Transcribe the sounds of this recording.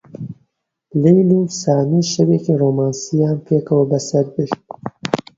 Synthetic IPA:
lejlusaːniːʃɐweːciroːmaːnsijaːnpʰeːkɐwɐbɐsɐɾbɨɾt̪̚

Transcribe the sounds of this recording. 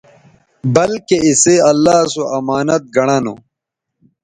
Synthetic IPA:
bɐlkeiseɐlːaːsoʔɐmaːnɐt̪̚ɡɐɽ̃ano̰

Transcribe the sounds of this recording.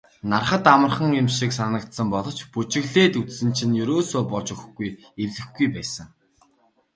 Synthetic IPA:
narχə̆t̪amə̆rχə̆ŋemʃiksanə̆kt̪sə̆mpɔɮɞ̆t͡ɕput͡ɕɪ̆ɣɮeːt̪ut͡ssɘ̆nt͡ɕʰĭnjɵɾoːsoːpɔɮt͡ɕɵxɡuj | erɮɘ̆xɡujpæːsə̆ŋ

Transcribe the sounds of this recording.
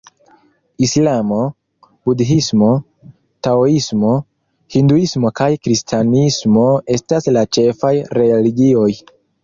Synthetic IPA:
islamo̞ | budɦismo̞ | taoismo̞ | hinduismo̞kajkɾistʰanismo̞e̞staslat͡ʃe̞fajɾe̞liɡio̞j

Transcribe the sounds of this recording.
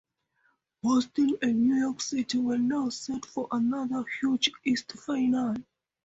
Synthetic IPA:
bɔstə̃nə̃njujɔksitiwənaʊsɛtfɔɹʔənʌðəhjud͡ʒistfaɪnal

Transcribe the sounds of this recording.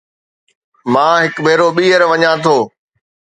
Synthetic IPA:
mãːɦɪkbʱeːɾoːɓiːəɾʋɐɲãːt̪ʰoː

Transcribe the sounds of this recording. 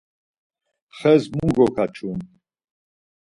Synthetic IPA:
χɛzmuɡɔkʰat͡ʃʰun

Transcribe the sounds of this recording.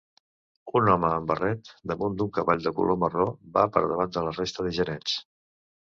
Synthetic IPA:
unɔməːmbərɛt̪d̪əmund̪uŋkəβaʎʲd̪əkṵlʔomərobapə̰ɾðəβand̪ələrest̪əðəʒəɾɛns

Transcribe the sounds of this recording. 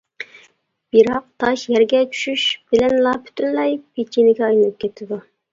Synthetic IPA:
b̥iɾɑq̚t̪ʰɑʃjɛɾɡʲɛt͡ʃʰy̥ʃyʃb̥ɪlɛnlˠɑpʰy̥t̪ʰynlɛjpʰet͡ʃʰinɪɡʲɛɑjɨnɨp̚kʲʰɛt̪ʰɪd̪u

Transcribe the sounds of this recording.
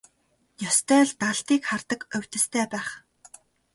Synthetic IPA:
jɔst̪ʰœːɮt̪aɮt̪iːkχart̪ə̆kɵw̥ʲt̪ɘ̆st̪ʰæːpæːχ

